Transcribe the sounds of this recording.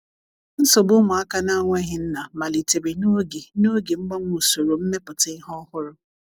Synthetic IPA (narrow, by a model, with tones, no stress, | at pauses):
n̩˦sɔ˨bʊ˦mʊ˨a˦ka˦na˦ŋʷe˦ɦɪ˦n̩˦na˨ma˨li˨te˨be˨no˦ɡe˨no˦ɡe˨ŋ͡m̩˦ɡ͡ba˦ŋʷ˦u˨so˨ɾo˨m̩˦me˦pʊ˨tɪ˦ɦɔ˦hʊ˦ɾʊ˦